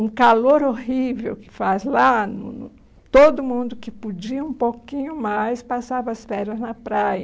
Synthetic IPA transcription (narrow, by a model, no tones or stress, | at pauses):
ũkaloɾohivḛwkɪ̥fazlanʊ̰nʊ | t̪od̪ʊmũnd̪ʊkɪpud͡ʒiɐũpowkĩɲʊmajspasavɐɐsfɛɾɐznɐpɾajɐ